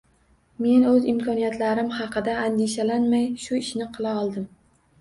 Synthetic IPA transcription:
me̞nɵzɪmkʰɒnijat̪ʰlaɾɪmhɑqʰɨd̪aand̪eʃalanmajʃʊɪʃnɪqʰɨlˠaɒlˠd̪ɪm

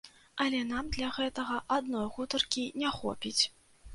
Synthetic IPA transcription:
ɐlʲɛn̪amd̪lʲɐɣɛt̪ɐɣɐʔad̪nɔjɣut̪ɐrkʲinʲɛxɔ̰pʲit͡sʲ

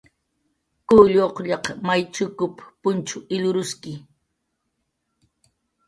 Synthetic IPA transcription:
kʊʎoqʎɑqmajt͡ʃʊkʊppʊnt͡ʃʊɪʎʊɾʊskɪ

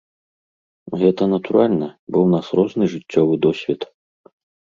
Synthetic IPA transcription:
ɣɛt̪ɐnɐt̪uɾalʲnɐbɔwnasrɔʐnɨʐɨt͡sʲːɔvɨd̪ɔsʲvʲɛt̪

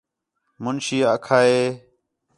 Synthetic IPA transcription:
mʊnʃiːəkʰaːeː

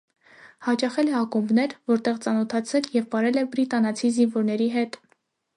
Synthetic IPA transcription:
hɑt͡ʃɑχɛlɛɑkumbnɛɾvɔɾt̪ɛʁt͡sɑnɔt̪ʰɑt͡sʰɛljɛvpɑɾɛlɛbɾit̪ɑnɑt͡sʰizinvɔɾnɛɾiɦɛt̪

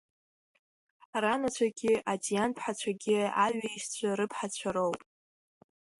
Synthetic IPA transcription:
ranat͡ɕʷʰaɡʲɪatʼijanpʰħat͡ɕʷʰaɡʲɪa̰ɥaiʃt͡ɕʷʰaɾɨpʰħat͡ɕʷʰaɾo̞wpʼ

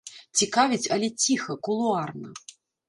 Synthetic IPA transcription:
t͡sʲikavʲit͡sʲɐlʲɛt͡sʲixɐkulˠuarnɐ

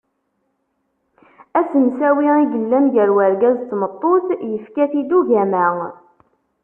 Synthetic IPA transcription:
æsənsæwiiɡəlːænʝəɾwəɾɡæzt̪ːmət̪ˤːoθjəfkæθid̪uʝæmæ

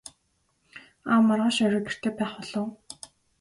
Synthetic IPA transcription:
aːmːarʁaːʃœɾʲə̆ker̥t̪ʰeːpæːχɔɮɞ̆ː

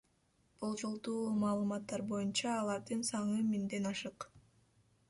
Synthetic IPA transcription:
b̥olˠd͡ʒo̞lˠd̪uːmɑːlˠɯmɑt̪ːɑɾbo̞junt͡ʃɑːlˠɑɾd̪ɯnsɑɴɯmind̪e̞nɑʃɯq

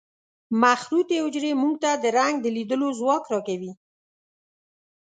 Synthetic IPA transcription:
maxɾut̪eʊd͡ʒɾemuŋɡ̚t̪ad̪əɾaŋɡ̚d̪əlid̪əlozwɑkɾɑkawi

